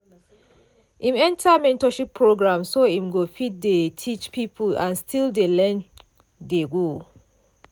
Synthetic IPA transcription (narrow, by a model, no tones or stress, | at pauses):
ʔĩmɛ̃ntʰamɛ̃ntɔʃipʰːɹoɡɹãmsoĩmɡofit̚detʰit͡ʃpipʰulãnstʰildelɛ̃n | deɡo